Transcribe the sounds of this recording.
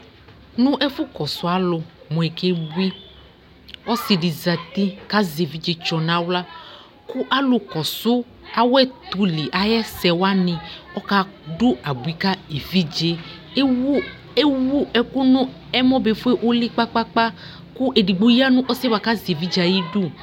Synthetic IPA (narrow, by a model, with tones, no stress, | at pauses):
nũ˦ʔɛ˦fu˦kɔ˨sʊ˦a˦lʊ˨ | mɔ̃˨ɛ˨ke˦bi˦ | ɔ˦si˨ɖi˨za˨t̪i˦ka˦ze˨vi˦d͡ʒe˦t͡ʃɔ˨nã˨˦wla˦ | ku˦ʔa˦lʊ˨kɔ˨sʊ˦ | a˨wɛ˦t̪u˨li˨ʔa˨jɛ˦sɛ˨wa˦nĩ˨ɔ˦ka˦ɖu˦a˨bu˨i˨˦ka˦e˨vi˦d͡ʒe˦ | e˦wu˦ɛ˦ku˦nũ˦ | ɛ˦mɔ̃˦be˨fu˦e˦ʔo˦li˦k͡pa˦k͡pa˦k͡pa˦ | ku˦ʔe˨di˨ɡ͡bo˦ji˦a˦nũ˦ʔɔ˦se˦wa˨ka˦ze˨vi˦d͡ʒa˨ji˦du˦